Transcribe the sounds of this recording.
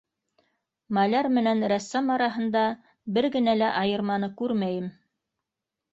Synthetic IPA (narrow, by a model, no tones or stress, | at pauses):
mɑlæɾmɘ̆nænɾæsːæmɑɾɑɦɤ̆nd̪ɑ | bɘɾɡɘ̆nælæʔɑjɤ̆ɾmɑnɤkʉɾmæjɘm